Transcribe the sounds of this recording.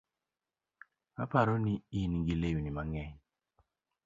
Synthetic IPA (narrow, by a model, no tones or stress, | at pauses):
apaɾɔniinɡilejunimaŋɛ